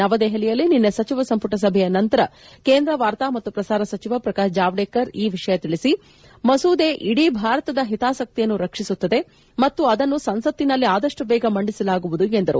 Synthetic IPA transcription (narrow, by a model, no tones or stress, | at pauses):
ɐʋɐd̪ɛɦɐlijɐlːininːesɐt͡ʃiʋɐsɐmpuʈɐs̬ɐbʱɛjɐnɐnt̪ɐɾɐ | keːnd̪ɾɐʋaːɾt̪aːmɐt̪ːupɾɐsaːɾɐsɐt͡ʃiʋɐpɾɐkaːʃd͡ʒaːʋɖeːkɐɾiːʋiʂɐjɐt̪iɭisi | mɐsuːd̪e̞ːʔiɽibʱaːɾɐt̪ɐd̪ɐɦit̪aːsɐk̚t̪ijɐnːuɾɐkʂisut̪ːɐd̪e̞ | mɐt̪ːuɐd̪ɐnːusɐnsɐt̪ːinɐlːiaːd̪ɐʂʈubɛːɡɐmɐɳɖisɐlaːɡuʋud̪uend̪ɐɾṵ